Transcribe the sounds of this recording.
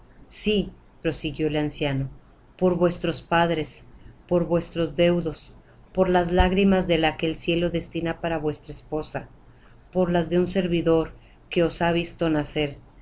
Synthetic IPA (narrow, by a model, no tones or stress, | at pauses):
si | pɾo̞siɣjo̞elansjano̞ | po̞ɾβwe̞st̪ɾo̞spaðɾe̞spo̞ɾβwe̞st̪ɾo̞zðe̞wðo̞s | po̞ɾlazlaɣɾimazðe̞lake̞ːlsje̞lo̞ðe̞st̪inapaɾaβwe̞st̪ɾaespo̞sa | po̞ɾlazðe̞unse̞ɾβiðo̞ɾ | ke̞osaβ̞ist̪o̞nase̞ɾ